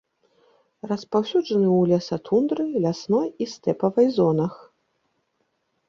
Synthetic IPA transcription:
rɐspawsʲud͡ʐɐnɨwlʲasat̪ʰund̪ɾɨlʲasnɔjist̪ɛpɐvɐjzɔnɐx

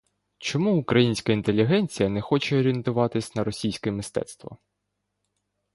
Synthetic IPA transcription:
t͡ʃɔmuʊkɾɐjinʲsʲkɐint̪elʲːiɦɛnʲt͡sʲijɐnɛxɔt͡ʃɛɔɾʲɪent̪ʊʋɑt̪ɪsʲnɐɾɔsʲijsʲkɛmɪst̪ɛ̰t̪st̪ʋɐ̰

